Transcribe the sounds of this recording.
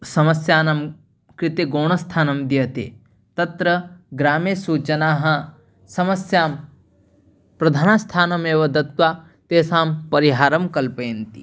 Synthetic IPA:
sɐmɐsjaːnɐm | kɾɪt̪eɡoːɳ̃ɐst̪ʰaːnɐmd̪ijɐt̪ḛ | t̪ɐt̪ɾɐɡɾaːmeːsuːt͡ʃɐnaːɦɐ | sɐmɐsjaːm | pɾɐd̪ʱaːnast̪ʰaːnɐmeːʋɐd̪ɐt̪ʋaː | t̪eːsaːmpɐɾiɦaːɾɐmkɐlpeːnt̪ḭ

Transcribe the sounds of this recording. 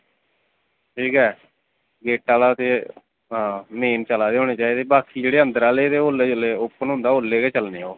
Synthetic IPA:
ʈʰiːkɛː | ɡeːʈːaːlaːt̪eː | ɦãːmeːnt͡ʃəlaːd̪eːɦoːneːt͡ʃaːiːd̪eːbaːkʰiːd͡ʒeːɽeːə̃nd̪əɾaːleːt̪eːɦoːlːeːd͡ʒʊleːʊpːənɦʊ̃nd̪aːɦoːlːeːkeːt͡ʃəlneːoː

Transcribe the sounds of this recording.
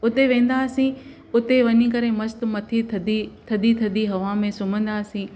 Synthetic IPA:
ʊt̪eʋẽːn̆d̪aːsĩ | ʊt̪eʋɐɲikɐɾemɐst̪̆mɐt̪ʰit̪ʰd̪it̪ʰɐd̪it̪ʰɐd̪iɦɐʋamẽsʊm̤ə̃nd̪aːsĩː

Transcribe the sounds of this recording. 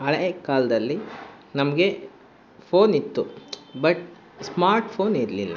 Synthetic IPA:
ɐɭekaːlɐd̪ɐlːi | nɐmɐɡe̞ | pʰoːnit̪ːubɐʈ | smaːɾʈpʰoːniɾlilːɐ̰

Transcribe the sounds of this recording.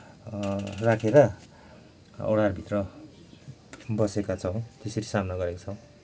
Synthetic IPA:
rakʰeɾʌ | o̰ɽarbʱit̪rʌ | bʌsekat͡sʰʌw̃t̪esʌɾisamnʌɡʌɾekat͡sʰʌw̃

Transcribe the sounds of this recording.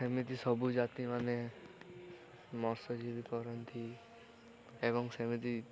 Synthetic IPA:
semit̪̬isɔbud͡ʒat̪imane | mɔɾsɔd͡ʒibikɔɾənt̪ʰi | ebɔŋɡsemit̪i

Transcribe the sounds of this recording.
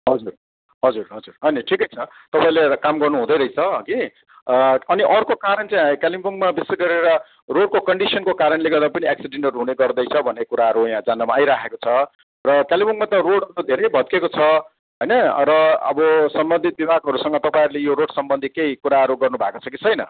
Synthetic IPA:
ɦʌd͡zur | ɦʌd͡zurɦʌd͡zurɦʌniʈʰikʌjt͡sʰʌ | t̪ʌpaĩlekamɡʌrnuɦũd̪ʌjɾʌijt͡sʰʌki | ʌniʔʌrkokaɾʌnt͡saĩkalimbuŋmabiseɡʌɾeɾʌ | roɽ̚kokʌɳɖisʌnkokaɾʌnleɡʌd̪apʌniaksiɖeɳʈʌrɦuneɡʌrd̪ʌjt͡sʰʌbʱʌnːekuɾaɦʌɾujãd͡zanːamaːjɾakʰekot͡sʰʌ | rʌkalimuŋmat̪ʌroɽɦʌɾud̪ʱeɾʌjbʱʌt̪̚kekot͡sʰʌ | ɦʌjnʌɾʌʌ̰bʌsʌmbʌnd̪ʱit̪̚bibʱaɡɦʌɾusʌŋɡʌt̪ʌpaĩɾulejoɾoɽsʌmbʌnd̪ʱikejkuɾaɦʌɾuɡʌrnubʱa̰eko̥t͡sʰʌkit͡sʰʌjnʌ

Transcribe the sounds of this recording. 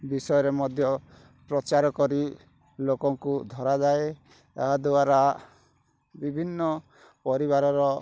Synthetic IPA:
bisɔjɔɾemɔd̪ʱjɔ | pɾɔt͡ʃaɾɔkɔɾi | lokɔŋkud̪ʱɔɾad͡ʒae | t̪aɦad̪uaɾa | bibʱinːɔ | pɔɾiβaɾɔɾɔ

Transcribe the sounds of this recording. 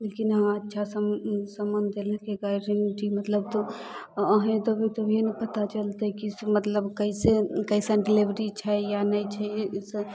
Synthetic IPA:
lekinɦãətːʃʰasəmsəmənd̪eləkeɡaɾenʈimət̪ləb̚t̪oəɦẽt̪obʱit̪obʱinpət̪at͡ʃəlt̪ɛkimət̪ləbkəisekəisə̃ɖelibɾit͡ʃʰɛjanəjt͡ʃʰɛs

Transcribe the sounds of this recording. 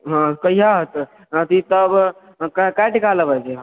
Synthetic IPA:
ɦãkəiɦaɦət̪ | ət̪it̪əb | kakajʈikaləbɛt͡ʃʰe

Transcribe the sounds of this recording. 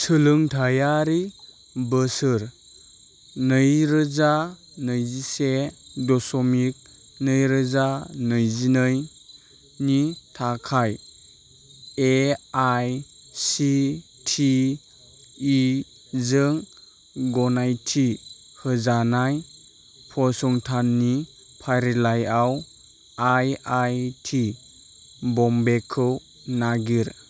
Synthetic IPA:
sɯlɯŋtʰajaɾi | bəsɯɾ | nɯjɾɯza | nɯjzisedɔsɔmik̚ | nɯjɾɯzanɯjzinɯj | nitʰakʰaj | eajsitʰi | zɯŋ | ɡɔnajtʰi | hɯzanaj | pʰɔsɔŋtʰanːi | pʰajɾilajaw | ajajtʰi | bɔmbekʰɯw | naɡiɾ

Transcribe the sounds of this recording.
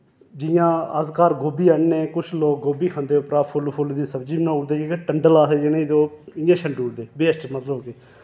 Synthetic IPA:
d͡ʒɪjãːəskaːɾɡoːbiːɛɳneːkʊt͡ʃʰloːk̚ɡoːbiːkʰãːnd̪eːʊpɾaːpʰʊlpʰʊld̪iːsəbd͡ʒiːbnãːʊɽd̪eːekeʈəɳɖəlaːseːd͡ʒenːiːd̪oːɪjãːʃəɳɖuːɽd̪eːbeːsʈmət̪ləbkɪ

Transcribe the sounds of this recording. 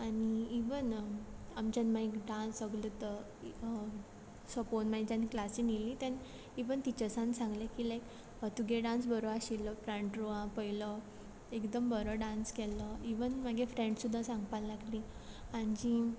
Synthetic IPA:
aniiʋənamt͡ɕanmaikɖãnsəɡlət̪ə | səponmad͡ʑaniklasĩnilĩt̪jan | iʋənt̪it͡ɕəsãnsãŋɡlakilajk | t̪uɡʱeɖãnsbəɾoaɕilːəpɾãɳʈɾoãpəilə | ekd̪əmbəɾəɖãnskɛləiʋənmaɡefɾẽɳɖsud̪ʱːasãŋɡpalːaɡliaɲd͡ʑi

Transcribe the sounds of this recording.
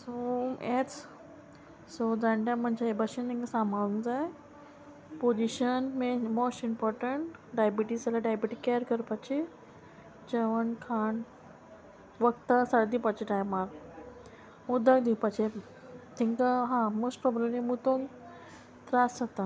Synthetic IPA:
somet͡s | sod͡zaɳʈãm̤əɳd͡ʑeebəɕənt̪ʰĩŋkəsamaɭũŋd͡zaj | pod͡ʑiɕənmemosʈimpɔɾʈəɳʈɖajbiʈisəlaɖajbiʈikeəɾkəɾpat͡ɕe | d͡ʑəʋəɳkʰaɳ | ʋəkt̪əsaɽd̪ipat͡ɕiʈajmaɾ | mud̪ʱək̚d̪ipat͡ɕe | t̪ʰiŋkəɦãmosʈpɾɔbɾemlimut̪oŋ | t̪ɾasat̪a

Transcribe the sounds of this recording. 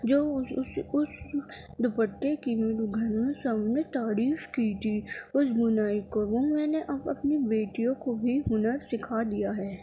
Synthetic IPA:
d͡ʒoːsʊs | d̪ʊpəʈːekiɡʱɐɾmẽsɐbnet̪aːɾiːfkit̪ʰiʊsbʊnaːikoʋomɛ̃ːneʔɐbɐpnibeːʈijõkobʱiɦʊnəɾsɪkʰad̪ijaɦɛː

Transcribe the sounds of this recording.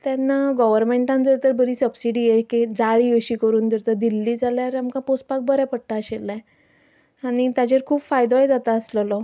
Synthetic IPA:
t̪janːaɡɔʋəɾmeɳʈãnd͡zəɾt̪əɾbəɾiːsəbsiɽiːjekĩd͡zaɭiːəɕiːkəɾuːnd̪əɾt̪əd̪ilːiːd͡zaljaɾamkãpospak̚bəɾapəɽʈaəɕelːa | aɽ̃it̪jat͡ɕeɾkʰuːpfajd̪ojd͡zat̪aəsləlɔ

